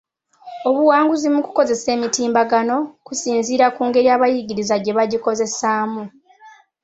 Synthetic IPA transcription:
oβuwaːŋɡuzimuku̥ko̞ze̞se̞ːmitiːmbaɡano̞kusiːnziːɾakuːŋɡe̞ɾiaːβajiɟiɾizaɟe̞βaɟiko̞ze̞saːmu

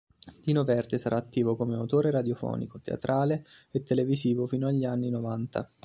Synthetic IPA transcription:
d̪̥iːnovɛrd̪esaɾʔaːt̪ːiːvokomeawt̪oːɾeɾad̪jofɔ̰ːnḭkot̪ḛa̰t̪ɾʔaːleet̪ːeleviziːvofiːnoaʎːianːinovant̪a̰

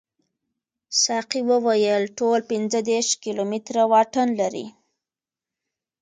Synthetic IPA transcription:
sɑqiwəwajəlʈolpɪnd͡zəd̪eɾʃkilomɪt̪ɾawɑʈənlaɾḭ

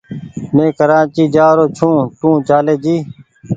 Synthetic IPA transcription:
mẽːkəɾaːt͡ʃiːd͡ʒaːɾoːt͡ʃʰũːt̪ũːt͡ʃaːleːd͡ʒiː

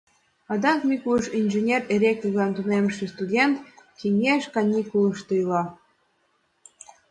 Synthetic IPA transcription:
ɑd̪ɑkmʲikuʃinʲʒenʲereɾʲekuɣɑnt̪uneməʃĕst̪udʲent̪kinʲeʃkɑnʲikulə̆ʃt̪ɤjlɑ

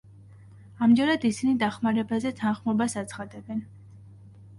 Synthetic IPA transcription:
amd͡ʒɛɾad̪isinid̪aχmaɾɛbazɛt̪ʰanχmɔbasat̪sʰχad̪ɛbɛn

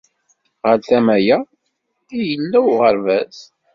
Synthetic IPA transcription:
ʁəlθæmæjæ | ijəlːæwʁəɾvæz

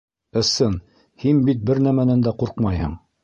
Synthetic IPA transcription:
ɤ̆sɤn | hinbit̪̚bɘɾnæmænænd̪æquɾqmɑjhɤ̰ɴ

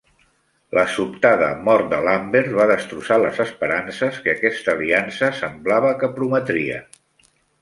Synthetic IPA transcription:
lʔəsupt̪aðə̰mɔɾt̪̚d̪əlambeɾt̪βaðəst̪ɾusaləzəspəɾansəskəːkɛst̪əːliansəsəmblaβəkəpɾumət̪ɾiə̰

